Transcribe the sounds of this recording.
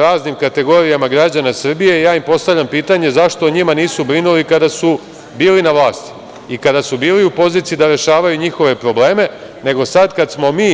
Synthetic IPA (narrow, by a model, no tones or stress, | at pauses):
ɾaːznimkat̪e̞ɡo̞ːɾijamaɡɾad͡ʑanasr̩bije̞jaːimpo̞st̪aʋʎʲampiːt̪aɲe̞zaʃt̪o̞ɲimaniːsubɾinulikad̪asu | biːlinaʋlˠaːst̪i̥ | ikad̪asubiːliupo̞ziːt̪sid̪aɾe̞ʃaːʋajuɲixo̞ʋe̞pɾo̞ble̞ːme̞ | ne̞ɡo̞sad̪kad̪smo̞miː